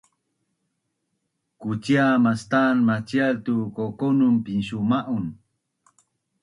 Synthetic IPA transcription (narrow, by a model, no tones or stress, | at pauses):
kut͡ɕiamast̪anmat͡ɕialt̪ukokonumpinɕumaʔun